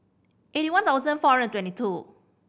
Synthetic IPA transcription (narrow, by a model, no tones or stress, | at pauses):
ʔeɾiwãnt̪aʊzə̃nfɔɹə̃ntwɛ̃ntitʰu